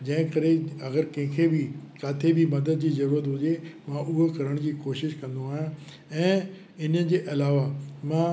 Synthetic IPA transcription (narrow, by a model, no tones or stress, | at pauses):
d͡ʑɐ̃ɦɪ̃kɐɾeɐɣəɾkɐ̃ɦɪ̃kʰebʱɪkaːt̪ʰebʱimɐd̪əd̪̚d͡ʑiːzɐɾuːɾət̪ɦʊd͡ʑemãʔʊɦokɐɾəɽ̃d͡ʑiːkoːʃɪʃkɐ̃nd̪oaːɦɪjã | ɛ̃ː | ɪnəd͡ʑeːʔɐlaːʋamãː